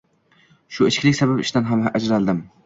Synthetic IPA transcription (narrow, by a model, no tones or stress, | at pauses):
ʃʊɪt͡ʃkʲlɪkʲsabapɪʃt̪anɦamʔad͡ʒɾald̪ɪm